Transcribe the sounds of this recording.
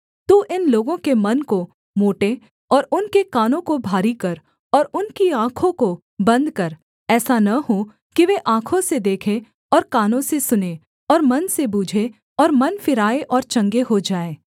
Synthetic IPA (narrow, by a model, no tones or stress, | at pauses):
t̪uʔɪnloːɡõkemɐnko | moːʈe | ɔːɾʊnkekaːnõkobʱaːɾikɐɾ | ɔːɾʊnkiãːkʰõko | bɐ̃nd̪kɐɾ | ɛːsanɐɦo | kiʋeːʔãːkʰõsed̪eːkʰe | ɔːɾkaːnõsesʊne | ɔːɾmɐnsebuːd͡ʒʱe | ɔːɾmɐnfɪɾaːeʔɔːɾt͡ʃɐ̃ŋɡeɦod͡ʒaːeː